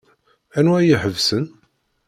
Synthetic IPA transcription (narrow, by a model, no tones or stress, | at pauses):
ænwæjiħəvsən